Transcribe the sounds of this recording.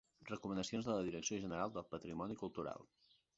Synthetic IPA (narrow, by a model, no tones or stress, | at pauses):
rəkumənəsionzðələðiɾəksioʒənəɾalˠd̪əlˠpət̪ɾimɔnikulˠt̪uɾa̰lˠ